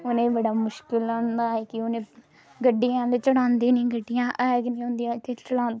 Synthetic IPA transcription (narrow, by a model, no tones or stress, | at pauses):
ʊnẽːbəɽaːmʊʃkɪlaːnd̪aːɦɛːkɪʊnẽː | ɡəɖːɪjãːlet͡ʃəɽãːnd̪eːnĩːɡəɖːɪjãːʔɛɡnĩːõːnd̪ijãːkɪt͡ʃəɽaːnd̪